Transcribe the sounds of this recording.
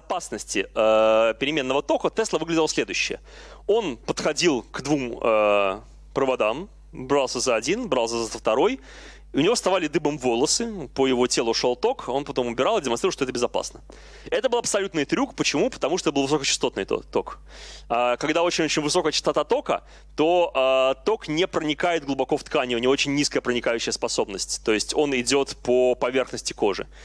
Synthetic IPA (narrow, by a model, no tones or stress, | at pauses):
zɐpasnəsʲtʲɪəpʲɪɾʲɪmʲe̞nːəvət̪o̞kət̪ɛslˠəvɨɡlʲɪdʲɪlˠəsʲlʲe̞d̪ʊjʉɕːɪ̰jə̰ | o̞npət̪xɐdʲilˠkd̪vumə | pɾəvɐd̪am | bɾalˠsʲəzəɐdʲinbɾɑlˠs̬ʲəzəəft̪ɐɾo̞j | ʊnʲɪvost̪ɐvalʲɪd̪ɨbəmvo̞lˠəsɨpəjɪvo̞tʲelˠʊʂo̞lˠt̪o̞ko̞npɐt̪o̞mʊbʲɪɾɑlˠɪdʲɪmɐnsɾʲɾlˠʂt̪oɛt̪əbʲɪzɐpa̰snə | ɛt̪əbɨlˠɐpsɐlʲut̪nɨjt̪ɾʲukpət͡ɕɪmupət̪ɐmuʂ̬t̪oɛt̪ɨlˠvɨso̞kət͡ɕɪst̪o̞t̪nɨ̰jt̪o̰t̪o̞k | akɐɡd̪ao̞t͡ɕɪnʲot͡ɕɪnʲvɨso̞kəjət͡ɕɪ̥st̪ɐt̪at̪o̞kə̰ | t̪o̞at̪o̞knʲɪpɾənʲɪkajɪt̪̚ɡlˠʊbɐko̞ft̪kanʲɪʊnʲɪvoot͡ɕɪnʲːiskəjəpɾənʲɪkajʉɕːɪjəspɐso̞bnəsʲtʲt̪o̞jɪsʲtʲo̞nɪdʲo̞t̪pəpɐvʲe̞rxnəsʲtʲɪ̥ko̞ʐɨ̰